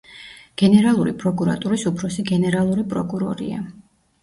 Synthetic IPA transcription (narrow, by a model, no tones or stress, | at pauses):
ɡ̥ɛnɛɾalˠuɾḭpʼɾɔkʼuɾa̰t̪ʼuɾisupʰɾɔsiɡɛnɛɾalˠuɾipʼɾɔkʼuɾɔɾḭa̰